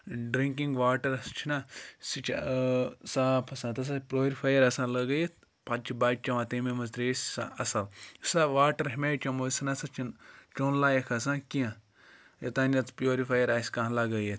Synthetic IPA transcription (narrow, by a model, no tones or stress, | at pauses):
ɖɾiŋkĩŋɡʋaːʈɐɾɐst͡ʃʰinaːsit͡ʃʰ | saːpʰɐsãːt̪ɐs̬apɾʲoːɾifʰaːjɐɾɐsãːlɐɡɐjet̪ | pat͡ʃʰibaːʈ̚t͡ʃɐʋãːt̪eːmemɐzt̪ɾeːsʲsã̰ɐsɐlsaʋaːʈɐɾɦimʲeːt͡ʃʲɐmosɐnɐsɐt͡ʃʰint͡ʃonlaːjɐkʰɐs̬ãːkijã | jɐt̪aːnʲɐt͡spjoːɾifʰaːjɐɾaːsʲkɐ̃ɦlɐɡɐjet̪ʰ